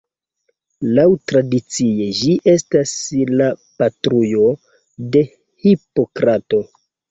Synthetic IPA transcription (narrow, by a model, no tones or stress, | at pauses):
lawtɾadit͡sied͡ʒiʔe̞staslapatɾujo̞ | de̞ | hipo̞kɾato̞